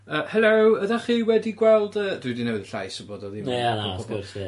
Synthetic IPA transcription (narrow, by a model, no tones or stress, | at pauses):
əːhɛlˠoəðaχiːwɛdiɡwɛlˠdəːd̥wɪdinəwðɬa̰jsboːdɔðimajanaɔɡɔs